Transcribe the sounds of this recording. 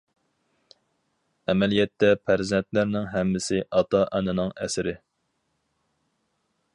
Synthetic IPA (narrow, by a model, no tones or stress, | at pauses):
ɛmɛlijɛt̪ːɛpʰæɾzɛnt̪læɾnɪŋɦɛmːɪsɪʔɑt̪ʰɑʔænɨnɨŋɛ̰sɪɾɪ